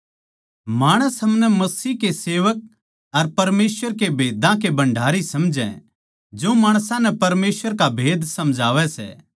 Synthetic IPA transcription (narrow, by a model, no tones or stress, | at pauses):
maːɽ̃əsɦɐmnɛmɐsiːkeseːʋək̚ | ɐɾpɐɾmeːsʋəɾkebʱeːd̪ãk̬ebɐ̃ɳɖʱaːɾisɐmd͡ʒɛ̰̃ | d͡ʒoːmaːɽ̃sãnɛpɐɾmeːsʋəɾkabʱeːd̪sɐ̃md͡ʒʱaːʋɛsɛ̰ː